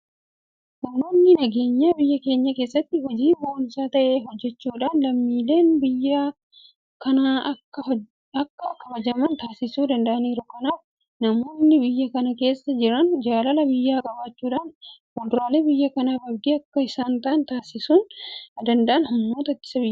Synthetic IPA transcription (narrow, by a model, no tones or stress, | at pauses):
hʊnːoːnːɪnɐɡe̞ːɲːaːbɪjːɐke̞ːɲːɐke̞ːsːɐt̪ːɪɦɔd͡ʒiːboːnsaːt̪ɐʔe̞ːɦɔd͡ʒːɛt͡ʃːuːᶑaːnlɐmːiːle̞ːnbɪjːa | kɐnaːɐkːɐ | ɐkːɐkɐbɐd͡ʒɐmɐnt̪aːsɪsuːd̪ɐnd̪ɐʔɐniːɾʊkɐnaːf | nɐmoːɪnːɪbɪjːɐkɐnɐke̞ːsːɐd͡ʒɪɾɐnd͡ʒaːlɐlɐbɪjːaːkʼɐbaːt͡ʃːuːᶑaːnkʊd̪ʊɾaːleːbɪjːɐkɐnaːbɐbd̪iɐkːɐɪsaːnt̪ɐʔɐnt̪aːsɪsuːnd̪ɐnd̪ɐʔɐnhʊnːoːt̪ɐɐt̪ːɪ̥sɐbɪjː